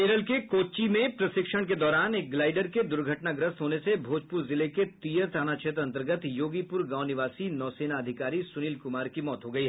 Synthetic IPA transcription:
eːɾəlkekoːt͡ʃimẽpɾɐsɪkʃəɽ̃k̬ed̪ɔːɾaːnek̚ɡlaːɪɖəɾked̪ʊɾɡʱəʈnaɡɾəst̪ɦoːnesebʱoːd͡ʒpʊɾzɪleket̪iːjəɾt̪ʰaːnat͡ʃʰeːt̪ɾɐ̃nt̪əɾɡət̪joːɡipʊɾɡãːʊnɪʋaːsinɔːseːnaɐd̪ʱɪkaːɾisʊniːlkʊmaːɾkimɔːt̪ɦoɡɐiɦɛ

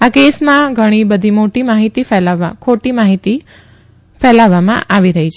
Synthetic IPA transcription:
akesmãɡʱəɽ̃ibəd̪ʱimoʈimaɦit̪ifɛlakʰoʈimaɦit̪i | fɛlaʋamã̰ʔaʋiɾəɦit͡ʃʰe

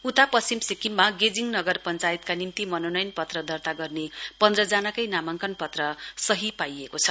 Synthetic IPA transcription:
ut̪apʌsimsikimːaɡed͡ziŋnʌɡʌrpʌnt͡sajit̪kanimt̪imʌnonʌjnpʌt̪rʌd̪ʌrt̪aɡʌrnepʌnd̪rʌd͡zanakʌjnamaŋkʌnpʌt̪rʌsʌɦipajekot͡sʰʌ̥

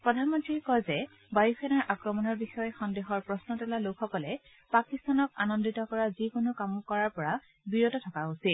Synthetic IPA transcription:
pɹɔdʱanmɔntɹikɔjzɛ | bajukʰɛnaɹʔakɹɔmɔnɔɹbixɔjɔxɔndeɦɔɹpɹɔsnɔtɛlalokxɔkɔlɛ | pakistanɔkanɔnditɔkɔɹazikonokamʊkɔɹaɹpɔɹa | biɹotɔtʰɔkaosil

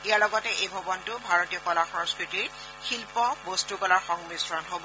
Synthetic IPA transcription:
ijaɹlɔɡɔtɛʔejbʱɔbɔntʊbʱaɹotijɔkɔlaxɔskɹitiɹ | xilpɔbostukɔlaɹxɔŋmisɹɔnɦobɔ

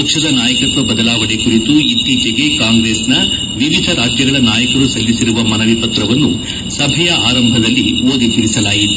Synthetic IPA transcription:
ɐkʂɐd̪ɐnaːjɐkɐt̪ʋɐbɐd̪ɐlaːʋɐɽekuɾit̪uit̪ːiːt͡ʃeɡe̞kaːŋɡɾeːsnɐ | ʋiʋid̪ʱɐɾaːd͡ʒjɐɡɐɭɐnaːjɐkɐɾusɐlːisiɾuʋɐmɐnɐʋipɐt̪ɾɐʋɐnːu | sɐbʱɐjɐʔaːɾɐmbʱɐd̪ɐlːioːd̪it̪iɾisɐlaːjit̪

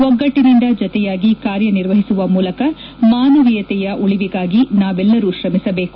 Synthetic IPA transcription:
ʋɔɡːɐʈːinind̪ɐd͡ʒɔt̪ɛjaːɡikaːɾjɐniɾʋɐɦisuʋɐmuːlɐkɐ | maːnɐʋijɐt̪ɛjɐʔuɭiʋiɡaːɡinaːʋɛlːɐɾuʃɾɐmisɐbe̞ːku̥

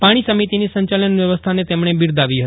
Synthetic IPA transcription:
paɽ̃isəmit̪inisəɲt͡ʃalənʋjəʋəst̪ʰanet̪emɳ̃ebiɾd̪aʋiɦət̪

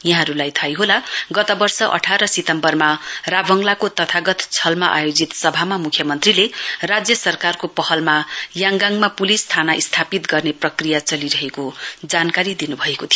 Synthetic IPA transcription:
jaɦãɾulajt̪ʰajɦolaɡʌt̪ʌbʌrsʌʔʌ̰ʈʰaɾʌsit̪ʌmbʌrmarabʱʌŋlakot̪ʌt̪ʰaɡʌt̪t͡sʰʌlmaʔa̰jod͡zit̪sʌbʱamamukʰjʌmʌnt̪rilerad͡zjʌsʌrkarkopʌhʌlmajaŋɡaŋmapulist̪ʰanaʔist̪ʰapit̪ɡʌrneprʌkrijat͡sʌliɾʌɦekod͡zankaɾid̪inubʱʌekot̪ʰijo

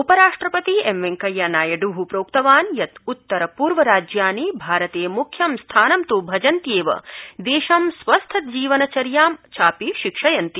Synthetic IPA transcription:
upɐɾaːʂʈɾɐpɐt̪iemʋeŋkɐjːaːnaːjɐɖuɦupɾoːkt̪ɐʋaːnjɐt̪ut̪ːɐɾɐpuːɾʋɐɾaːd͡ʒjaːnibʱaːɾɐt̪eːmukʰjɐmst̪ʰaːnɐmt̪uːbʱɐd͡ʒɐnt̪jeːʋɐ̰d̪eːʃɐmsʋɐst̪ʰɐd͡ʒiːʋɐnɐt͡ʃɐɾjaːmt͡ʃʰaːpiʃikʂɐjɐnt̪i

